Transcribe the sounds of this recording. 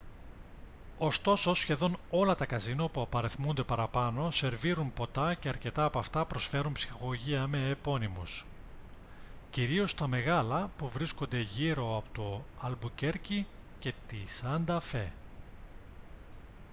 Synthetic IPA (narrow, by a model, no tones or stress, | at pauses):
o̞st̪o̞so̞sçe̞ðo̞no̞lɐt̪ɐkɐzinopuɐpɐɾeθmund̪e̞pɐɾɐpɐno̞se̞ɾviɾunpo̞t̪ɐce̞ɐɾce̞t̪ɐːpoɐft̪ɐpɾo̞sfe̞ɾunpsi̥xɐɣo̞ʝiɐme̞ːpo̞nimus | ciɾio̞st̪ɐme̞ɣɐlɐpuvɾisko̞nd̪e̞ʝiɾo̞ɐpot̪o̞ɐlbuce̞ɾcice̞t̪isɐnd̪ɐfe̞